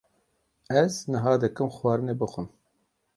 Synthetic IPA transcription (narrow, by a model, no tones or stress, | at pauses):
ɛznɨɦɑːd̪ɨkɨmxwɑːɾɨneːbɨxʷɨm